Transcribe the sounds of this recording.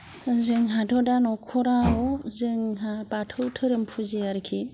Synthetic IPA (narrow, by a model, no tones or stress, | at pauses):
zɯŋɦadʰɔdanɔkʰɔɾaozɯŋɦabatʰɯwtʰɯɾɯmpʰuziaɾkʰi